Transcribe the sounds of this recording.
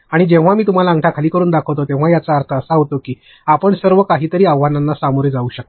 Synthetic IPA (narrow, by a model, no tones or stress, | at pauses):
aɽ̃id͡ʑẽʋ̤amiːt̪um̤alaəŋʈʰakʰaliːkəɾuːnd̪akʰəʋt̪ot̪ẽʋ̤ajat͡saːɾt̪ʰəəsaɦot̪okiː | apəɳsəɾʋəkaɦiːt̪əɾiːaʋʋananːasamoɾjd͡zauːɕək̚t̪